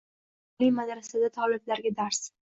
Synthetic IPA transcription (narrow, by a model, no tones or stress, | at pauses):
limad̪ɾasad̪at̪ʰɒlɪb̪laɾɡʲad̪aɾs